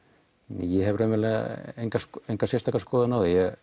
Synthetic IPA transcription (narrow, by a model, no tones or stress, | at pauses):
nɛ̰jɛɦɛvɾamɛlaejŋkasejŋkasjɛst̪ʰakaskɔːðɪnawðɪjɛ